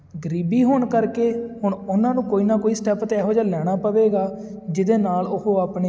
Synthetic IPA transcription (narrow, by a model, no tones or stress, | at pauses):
ɡəɾiːbiːɦoːɳkəɾkeːɦʊɳʊnãːnũːkoːiːnaːkoːiːsʈɛːpt̪eɛːɦoːd͡ʒaːlɛːɽ̃aːpəʋeːɡaː | d͡ʒɪd̪eːnaːlʊɦoːaːpɳeː